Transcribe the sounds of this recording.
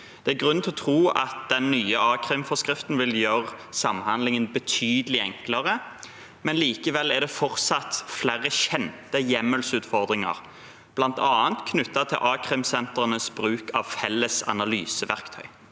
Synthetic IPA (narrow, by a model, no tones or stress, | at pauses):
d̪̥ɛæɡʁʉnt̪ʰɛɔt̪ʰʁuːɑ̰t̪̚d̪̥ɛnːyːəɑːkʰɾɪmfɔskʁɪft̪nʋɪljøːʁsɑmhɑnd̪lɪŋənbət̪ʰyːd̪əlɪɛŋkləʁə | mɛnliːkəʋɛlːæd̪ɛfɔʁt̪sɑt̪flæʁəɕɛnt̪əjɛmːəlsʉːt̪fɔʁd̪ʁɪŋɑ̰ʁ | b̥lɑnt̪ɑːənt̪kʰnʉt̪ːɑt̪ʰɪlʔɑːkʰʁɪmsɛnt̪əʁənəsbʁʉːkɑʋfɛlːəsɑ̰nɑlyːsəʋæʁkt̪ʰœ̰ʏ